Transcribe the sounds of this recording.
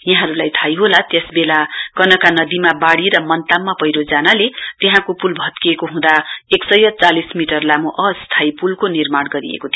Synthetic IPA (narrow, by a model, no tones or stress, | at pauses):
jaɦʌ̃ɾulajt̪ʰajɦolat̪jʌsbelakʌnʌkanʌd̪imabaɽiɾʌmʌnt̪amːapʌjɾod͡zanalet̪eɦãkopulbʱʌt̪kiekoɦũd̪aeksʌjʌt͡salismiʈʌrlamoʔʌst̪ʰajpulkonirmaɽɡʌɾḭḛkot̪ʰijo